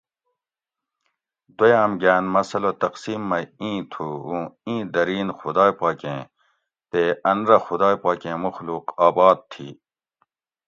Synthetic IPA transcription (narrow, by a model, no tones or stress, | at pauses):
d̪ojaːmɡaːnmɐsɐlot̪ɐqsiːmːɐĩːt̪ʰuũːĩːd̪ɐɾiːnxud̪aːjpaːkẽː | t̪eːɐnɾɐxʊd̪aːjpaːkẽːmuxluːqaːbaːd̪̚t̪ʰːḭː